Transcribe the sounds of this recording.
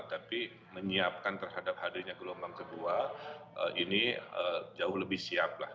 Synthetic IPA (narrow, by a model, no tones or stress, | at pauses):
t̪api | məɲiap̚kant̪ərhadap̚hadaɲakəlombaŋkəduaəʔiniəd͡ʒaʊhləbɪhsiap̚la̰h